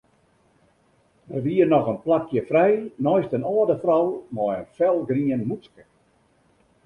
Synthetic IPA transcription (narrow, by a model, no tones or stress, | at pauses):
ʋəriənɔxənplakʰjəfrɛjnɔjstənɔːdəfrɔwmɔjənfɛlˠɡriənmut͡skə̥